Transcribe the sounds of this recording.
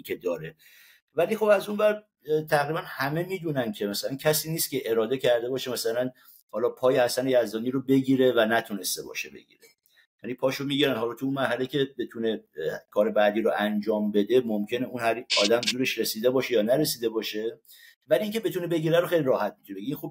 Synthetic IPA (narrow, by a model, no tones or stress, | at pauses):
kʰed̪ɒːɾe | vælixo̞bæzunvæɾ | t̪ʰæɣɾibænhæme̞miːd̪uːnæncʰe̞mæsælæncʰæsiːniːst̪̚cʰʲe̞ʔe̞ɾɒːd̪e̞cʰæɾd̪e̞bɒːʃemæsælæn | hɒːlɒːpʰɒːjehæsænejæzd̪ɒːniɾobe̞ɟiːɾe̞vænæt̪ʰune̞st̪ebɒ̰ʃḛbe̞̰ɟḭːɾe | jænipʰɒːʃomiːɟiɾænhɒːlɒːt̪ʰuunmæɾɦælecʰe̞be̞t̪ʰune̞kʰɒːɾe̞bæd̪iːɾoʔænd͡ʒɒːmbe̞d̪e̞momcʰʲe̞ne̞unhæɾɒːd̪æmd̪uːɾe̞ʃɾe̞siːd̪e̞bɒːʃe̞jɒːnæɾe̞siːd̪e̞bɒːʃe̞ | væliiːŋcʰe̞be̞t̪ʰuːnebe̞ɟiːɾæɾoxejliɾɒːhæt̪̚mit̪ʰunekʰinxob̚